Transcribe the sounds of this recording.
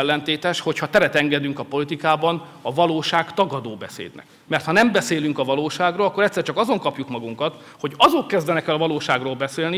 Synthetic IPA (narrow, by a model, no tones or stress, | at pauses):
ɛlːɛnt̪eːt̪ɛʃho̞chɒt̪ɛɾɛt̪ɛŋɡɛd̪yŋkɒpo̞lit̪ikaːbɒn | ɒvɒloːʃaːɡt̪ɒɡɒd̪oːbɛsḛːd̪nɛ̰k | mɛrt̪hɒnɛmbɛseːlyŋkɒvɒloːʃaːɡroːlɒkːoɾɛct̪sːɛrt͡ʃɒkɒzo̞ŋkɒpjukmɒɡuŋkɒt̪ | ho̞ɟɒzokːɛzd̪ɛnɛkɛlɒvɒloːʃaːɡroːlbɛseːlni